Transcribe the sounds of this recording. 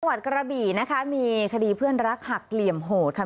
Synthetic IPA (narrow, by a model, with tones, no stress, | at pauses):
wa˨˩t̪̚kɾa˧biː˨˩na˦˥kʰa˦˥miː˧kʰa˧diː˧pʰɯ˥˩ənɾa˦˥k̚ha˨˩k̚li˨˩əmɦoː˨˩t̪̚kʰa˥˩